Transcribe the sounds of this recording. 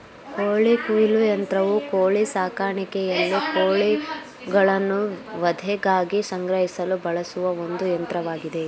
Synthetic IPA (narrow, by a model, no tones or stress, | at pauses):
koːɭikuːjlujɐnt̪ɾɐʋukoːɭisaːkaːɾɳikɛjɐlːikoːɭi | ɡɐɭɐnːuʋɐd̪ʱɛɡaːɡisɐŋɡɾɐɦisɐlubɐɭɐsuʋɐond̪ujɐnt̪ɾɐʋaːɡid̪e̞